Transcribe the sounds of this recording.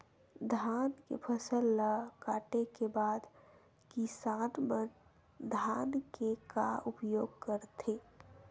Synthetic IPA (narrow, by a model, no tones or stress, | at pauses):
d̪ʱaːnkḛpʰəsəlːakaːʈekebaːd̪ | kisaːnmən | d̪ʱaːnkeka̰ʊpjoːɡkəɾt̪ʰe